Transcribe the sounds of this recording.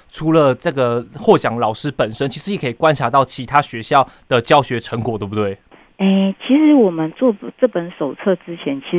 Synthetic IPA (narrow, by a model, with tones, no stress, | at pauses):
ʈ͡ʂʰu˨˧˥lə˨ʈ͡ʂə˥˩ɡə˩xwɔ˥˩t͡ɕjɑ˨˩ŋlɑ˨˩ʊʂɻ̩˥pə˨˩nʂə˥nt͡ɕʰi˧˥ʂɻ̩˧˥ji˨˩kʰə˥i˨˩kwa˦nʈ͡ʂʰa˧˥t̪ɑ˥˩ʊt͡ɕʰi˧˥t̪ʰa˥ɕɥɛ˧˦ɕjɑ˥˨ʊd̪̥ə˨t͡ɕjɑ˥˧ʊɕɥɛ˧˥ʈ͡ʂʰə˧˥ŋkwɔ˨˩t̪wbt̪we˥˩ɪ | e˥˩ɪt͡ɕʰi˧˥ʂɻ̩˧˥wɔ˨˩mə˦nt͡swɔ˥˩ʈ͡ʂɤ˥˩pə˨˦nʂo˨˩ʊt͡sʰɤ˥˧ʈ͡ʂɻ̩˥t͡ɕʰjɛ˧˥nt͡ɕʰi˧˥